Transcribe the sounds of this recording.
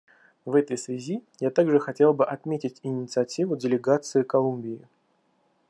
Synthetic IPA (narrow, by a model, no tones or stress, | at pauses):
vɛt̪əjsvʲɪzʲijat̪aɡʐɨxɐtʲe̞lˠbɨʔɐt̪mʲetʲɪtʲɪnʲɪt̪sɨɐtʲivʊdʲɪlʲɪɡat̪sɨɪkɐlˠumʲbʲɪɪ